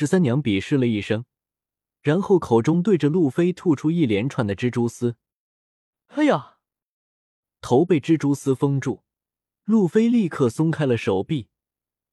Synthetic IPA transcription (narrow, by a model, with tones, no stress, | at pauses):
ʂɻ̩˧˥sa˥njɑ˧˥ŋpi˨˩ʂɻ̩˥˩lə˩i˥˩ʂɤ˥ŋ | ɻa˧˥nxo˥˩ʊkʰo˨˩ʊʈ͡ʂʊ˥ŋt̪we˥˩ɪə˩lu˥˩fe˥ɪt̪ʰu˥˧ʈ͡ʂʰu˥i˥˩ljɛ˧˥nʈ͡ʂʰwa˨˩nd̪ə˦ʈ͡ʂɻ̩˥ʈ͡ʂu˥sɹ̩˥ | a˥ɪa˨˩ | t̪ʰo˧˥ʊpe˥˩ɪʈ͡ʂɻ̩˥ʈ͡ʂu˥sɹ̩˥fɤ˥ŋʈ͡ʂu˥˩ | lu˥˩fe˥ɪli˥˧kʰɤ˥˩sʊ˥ŋkʰa˥ɪlə˨ʂo˨˩ʊpi˥˩